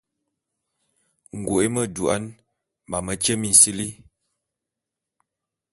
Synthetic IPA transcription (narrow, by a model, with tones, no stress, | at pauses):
ŋ̩˨ɡo˨e˦mə˦du˨a̰˦n | ma˨mə˦t͡ʃə˦mi˨n̩˨si˦li˦